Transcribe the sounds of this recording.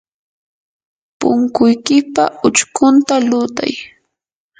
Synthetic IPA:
pʊ̰ŋkʊjkɪpa̰ʊt͡ʃkʊnt̪alʊt̪a̰j

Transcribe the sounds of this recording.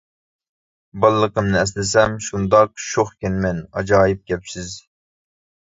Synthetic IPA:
bɑlˠːəqəmnɨɛslɪsɛmʃund̪ɑqʃoχkʲɛnmɛnɑd͡ʒɑːjip̚ɡʲɛpsɪz

